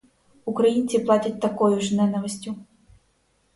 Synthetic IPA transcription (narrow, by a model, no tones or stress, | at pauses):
ukɾajint̪sʲɨplˠatʲɐt͡sʲt̪akɔjuʐnɛnɐvɐsʲt͡sʲu